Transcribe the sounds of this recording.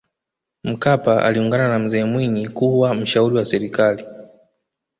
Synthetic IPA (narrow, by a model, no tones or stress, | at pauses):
m̩kapaʔa̰liuŋɡananam̩zɛːmwiɲikuwam̩ʃauɾiwasɛɾikali